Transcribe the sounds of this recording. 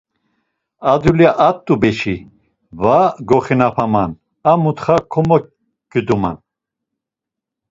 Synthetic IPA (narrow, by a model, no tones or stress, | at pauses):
ad̪juliaʔat̪ʼːubɛʃi | vaɡɔχinapʰaman | amut̪χakʰɔmɔ | ɡ̥əd̪uma̰n